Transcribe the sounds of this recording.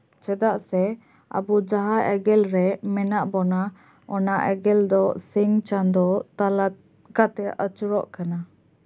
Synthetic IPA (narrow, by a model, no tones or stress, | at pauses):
t͡ʃɛd̪aʔsɛ | a̰bud͡ʒaɦaɛɡɛlɾɛmɛnaʔbɔna | ɔnaʔɛ̰ɡɛld̪ɔsiŋt͡ʃand̪ɔal | kat̪ɛʔət͡ʃuɾɔʔkana